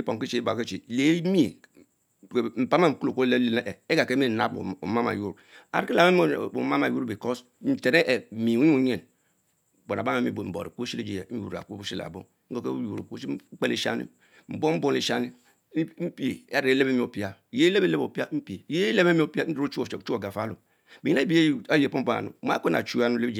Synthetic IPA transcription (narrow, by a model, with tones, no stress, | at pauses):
i˦po˨ŋ˦ki˦t͡ʃe˨˦i˦ba˨ke˦t͡ʃe˨le˨˦mi˦˨ | m̩˨pa˦ma˦m̩˨ku˦lo˨ko˦le˦le˦n˦ʔe˨e˦ɡa˨ke˦me˦˨na˦b̰o̰˨ma˦ma̰˨ju˦ɾa̰˨ɾki˦la˨me˦m˦˨o˨ma˦ma˨ju˦ɾbi˨ko˦s | n̩˨te˨ɾe˦ʔe˨mi˨u˦ɲi˦u˦ɲe˨n˨ | k͡po˨na˨ba˦me˦mi˦˨m̩˨bo̰˨ɾi˨ko˦ʃi˦e˦d͡ʒi˦˨˦jṵ˨ɾa̰˨kbu˦i˦la̰˨bo˦ko˦ke˦ju˨ɾu˨ko˦k͡pe˦le˦˨ʃa̰˦nḭ˦ | m̩˨bo˦m̩˦bo˦n˦e˨ʃa˦ni˦ | m̩˦pi˦ḛ˨˦a˦ɾe˦le˦be˦mi˨o˨pi˦a˦˨je˦le˦be˦le˦bo˨pi˦a˦m̩˦pi˨e˨je˦le˦be˦m˦o˨pi˦a˦n̩˦dɾo˦t͡ʃu˦˨˦u˦o˨ɡa˨fa˨˦lu˨ | be˨˦i˦a˦bi˦a˦jpo˦m̩˦o˦a̰˨nṵ˨m˦a̰˦ko˦na̰˨t͡ʃu˦a˦nu˨e˦bd͡ʒ